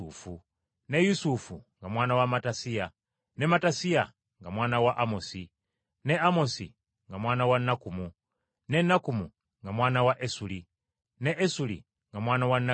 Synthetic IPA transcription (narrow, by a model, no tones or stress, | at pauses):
fu | ne̞jusufuŋɡamwaːnawamatasija | ne̞matasia | ŋɡamwaːnawaʔamosi | neamo̞sḭ | ŋɡamwaːnawanːakumu | ne̞nːakumu | ŋɡamwaːnawaʔesuli | neʔesulḭ | ŋɡamwaːnawanːa